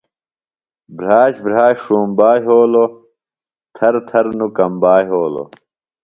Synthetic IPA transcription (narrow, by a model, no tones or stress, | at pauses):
bɾaːɕbɾaːɕʂuːmbaːɦoːlo | t̪ʰɐɾt̪ʰɐɾnukɐmbaːɦoːlo̰